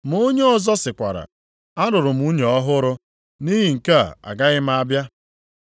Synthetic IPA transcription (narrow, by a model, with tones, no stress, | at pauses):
m˨o˦ɲe˦ɔ˦˨zɔ˦sɪ˨kʷa̰˨ɾa̰˨ | a˦ɾʊ˨ɾʊ˨m̩˦u˦ɲe˨ɔ˦ɦʊ˦ɾʊ˦ | ni˦ɦi˨ŋ̩˨ka̰˦˨a̰˨ɡa˦ɣɪ˦m˦a˦bja˦